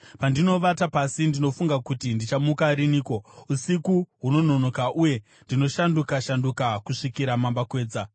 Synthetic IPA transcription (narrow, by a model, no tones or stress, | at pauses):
pandino̞ʋatapasindino̞fuŋɡakutindit͡ʃamukaɾiniːko̞usikuɦuno̞no̞no̞kaʔuje̞ | ndino̞ʃandukaʃandukakuʂikiɾamambakwe̞ːd͡za